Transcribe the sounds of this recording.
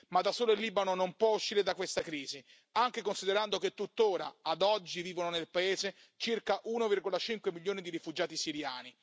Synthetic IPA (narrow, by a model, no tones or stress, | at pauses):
mad̪ːasːoːloilːiːbanonompwɔuʃːiːɾed̪akwest̪akɾiːzi | aŋk̟ekonsid̪eɾand̪ok̟et̪ːut̪ːoːɾa̰ad̪ɔd͡ʒːiviːvononelpaeːze | t͡ʃirkaʔunovirɡolat͡ʃiŋkwemiljoːnid̪iɾifud͡ʒaːt̪isiɾjaːni